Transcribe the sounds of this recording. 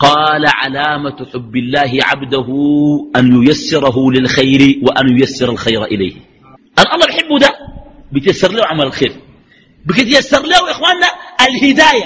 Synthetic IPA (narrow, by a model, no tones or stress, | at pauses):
qɑːlaʕa̰laːmat̪ħʊbːɪlːaːɦiʕa̰bd̪aɦuʔanjʊjasːɪɾˤɑɦulɪlxajɾiwaʔanjʊjasːɪɾˤalxajɾaʔɪla̰jh | ʔanʔɑlˤːɑːbiħɪbːud̪abit̪jasːɑɾˤliːhuʕamalalxeːɾ | bikit̪jasːɑɾˤliːhuʔɪxwaːnːaʔalhid̪aːja